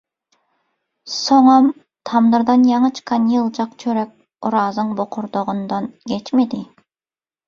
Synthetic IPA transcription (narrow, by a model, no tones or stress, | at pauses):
soŋɑm | t̪ʰɑmd̪ɨɾd̪ɑnjɑɴət͡ʃʰɨ̥qʰːɑnjɯlˠd͡ʒɑqt͡ʃʰøɾɛk̚ʲ | uɾɑːzɨŋboqʰʊɾd̪oʁʊnd̪ɑnɡʲɛt͡ʃmed̪ɪ